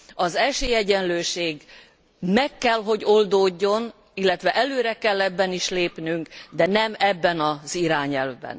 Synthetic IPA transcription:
ɒzɛʃeːjɛɟɛnløːʃeːɡ | mɛkːɛlɦo̞ɟo̞ld̪oːɟːo̞n | ilːɛt̪ʋɛʔɛløːɾɛkɛlːɛbːɛniʃleːpnyŋkd̪ɛnɛmɛbːɛnɒziɾaːɲɛlvbɛ̰n

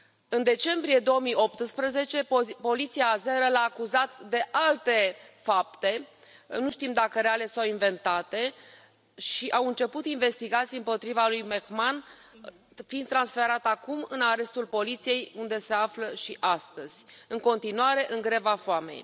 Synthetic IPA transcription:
ɨnd̪e̞t͡ʃe̞mbɾije̞d̪o̞womijo̞p̚t̪ɨspɾəze̞t͡ʃe̞po̞lit̪siaːze̞ɾəlaːkuzat̪d̪e̞ʔalt̪e̞fap̚t̪e̞ | nuʃt̪imd̪akəɾeale̞sawinve̞nt̪at̪e̞ | ʃiʔawɨnt͡ʃe̞put̪inve̞st̪iɡat̪sijɨmpo̞t̪ɾivalujmekman | find̪t̪ːɾansfe̞ɾat̪akumɨnaɾe̞st̪ulpo̞lit̪sije̞jund̪e̞se̞afləʃiʔast̪əz̥ʲɨŋko̞nt̪inuaɾe̞ʔɨŋɡɾevafoame̞̰j

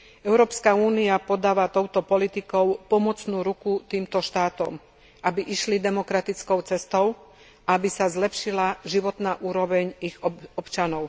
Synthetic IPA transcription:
ʔɛʊɾɔːpskauːniapɔd̪aːʋat̪ɔʊt̪ɔpɔlit̪ikɔʊpɔmɔt͡snuːɾukut̪iːmt̪ɔʃt̪aːt̪ɔ̰m | ʔabiʔiʃlid̪ɛmɔkɾat̪it͡skɔʊt͡sɛst̪ɔʊ | ʔaabisazlɛpʃilaʒiʋɔt̪naːʔuːɾɔʋɛɲiɣɔɔpt͡ʃanɔʊ

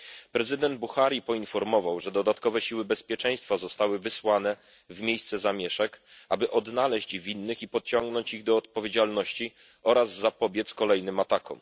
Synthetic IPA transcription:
pɾɛzɘd̪ɛnd̪̚buxaɾʲjipɔinfɔɾmɔvawʐɛd̪ɔd̪at̪kɔvɛɕiwɘbɛspʲjɛt͡ʂɛj̃st̪fazɔst̪awɘvɘswan̪ɛ | vmʲjejst̪sɛzamʲjɛʂɛkʔa̰bɘʔɔd̪nalɛɕt͡ɕvʲinːɘxipɔt̪t͡ɕɔŋɡnɔɲt͡ɕiɣd̪ɔːt̪̚pɔvʲjed͡ʑalnɔɕt͡ɕi | ɔɾazːapɔbʲjɛt̪skɔlɛjnɘmat̪akʰɔ̰m

